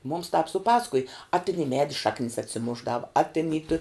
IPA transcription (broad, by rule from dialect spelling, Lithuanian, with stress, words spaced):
mʊms tɑːp sʊˈpɑːsɐkʊj ɐ tʲɪn ɪ ˈmʲæːdʲɪ ˈʃɑːknʲɪs ɐtʲsʲɪˈmʊʒˌdɑːʋʊ ɐ tʲɪn iː tʊ